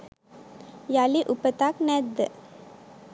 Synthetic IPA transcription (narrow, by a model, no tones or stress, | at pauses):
jaliʔupət̪aknɛd̪